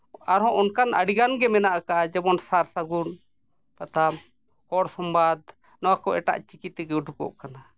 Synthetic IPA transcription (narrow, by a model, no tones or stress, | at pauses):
aɾɦɔ̃ʔɔnkana̰ɽiɡanɡɛmɛnaʔakaʔad͡ʒɛbɔnsaɾsaɡun | pat̪am | hɔɽsɔmbad̪ | nɔwakɔʔɛʈa̰ʔt͡ʃikit̪ɛɡɛuʈʰukɔ̰ʔkana